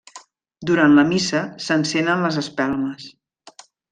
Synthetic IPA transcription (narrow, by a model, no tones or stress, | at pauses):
d̪uɾanləmisəsənsɛnənləzəspɛlˠməs